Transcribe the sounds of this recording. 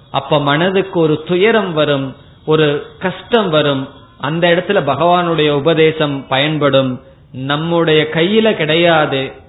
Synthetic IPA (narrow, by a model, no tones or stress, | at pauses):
ʔɐpːoːmɐnɐðɯkːɯɔɾɯt̪ʊjɐɾɐmʋɐɾɯm | ɔɾɯkɐʂʈɐmʋɐɾɯm | ʔɐnd̪ɐɪɽɐt̪ːɪlɐbɐɣɐʋaːnɯɽɐjɐʊbɐðeːsɐmpɐjɐnpɐɽɯm | nɐmːɯɽɐjɐkɐjːɪlɐkɪɽɐjaːðɯ